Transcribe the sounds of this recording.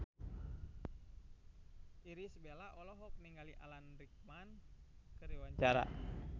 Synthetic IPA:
iɾisbelaʔɔlɔɦɔk̚niŋɡaliʔa̰lanɾik̚mankəɾiwaɲt͡ʃaɾa̰

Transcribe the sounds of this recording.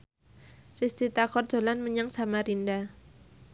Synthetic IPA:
rist̪it̪akɔrd͡ʒ̥o̤lanməɲaŋsamaɾinda

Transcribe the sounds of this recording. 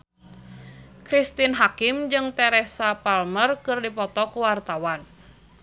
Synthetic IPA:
kɾist̪inɦakimd͡ʒɨŋt̪ɛɾɛsapalmərkɨrdipɔt̪ɔkuwart̪awan

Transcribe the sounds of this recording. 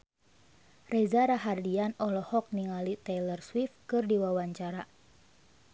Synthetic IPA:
rɛzaɾaɦardianɔlɔhɔk̚niŋalit̪ɛlərswifkɨrdiwawaɲt͡ʃaɾa

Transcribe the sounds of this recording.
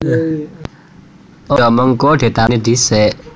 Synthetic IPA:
ʔojɔməŋkod̪̥e̤t̪anid̪isɛʔ

